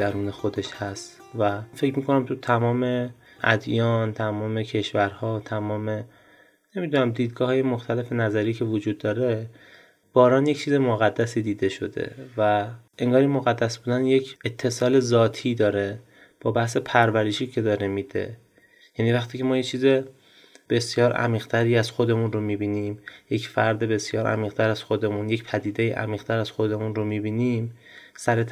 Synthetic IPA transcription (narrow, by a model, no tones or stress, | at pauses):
d̪æɾuːne̞xod̪e̞ʃhæst̪ | væfe̞cmiːko̞næmt̪ʰut̪ʰæmɒːme̞ʔæ̰d̪jɒːnt̪ʰæmɒːmecʰe̞ʃvæɾhɒːt̪ʰæmɒːme̞ | ne̞miːd̪uːnæmd̪iːd̪̚ɡɒːhɒːjemoxt̪ʰæle̞fenæzæɾiːcʰe̞vod͡ʒuːd̪ːɒːɾe̞ | b̥ɒːɾɒːnject͡ʃʰiːzemoɣæd̪ːæsiːd̪iːd̪e̞ʃo̞̰d̪e̞̰væe̞ŋɡɒːɾimoɣæd̪ːæsbuːd̪ænjecʰet̪ʰːe̞sɒːle̞zɒːt̪ʰiːd̪ɒːɾe̞ | b̥ɒːbæhse̞pʰæɾvæɾeʃiːcʰe̞d̪ɒːɾemiːd̪̥e̞̰ | jæniːvæxt̪ʰiːcʰe̞mɒːjet͡ʃʰiːze | b̥e̞sjɒːɾʔæ̰miːɣ̥t̪ʰæɾiːæz̥xo̞d̪e̞munromibiːniːmje̞cfæɾd̪e̞be̞sjɒːɾʔæ̰miːɣt̪ʰæɾæz̥xo̞d̪e̞muːnje̞cpʰæd̪iːd̪e̞iːʔæ̰miːʁ̥t̪ʰæɾæz̥xo̞d̪e̞munromibiːnim | sæɾet̪ʰ